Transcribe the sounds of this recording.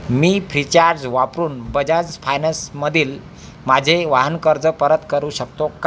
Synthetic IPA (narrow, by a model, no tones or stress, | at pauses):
miːfʰɾit͡ɕaɾd͡ʑʋapɾuːnbəd͡ʑad͡zfʰajnəsməd̪ʱiːl | mad͡ʑʱeʋaɦənkəɾd͡zəpəɾət̪kəɾuːɕəkt̪oka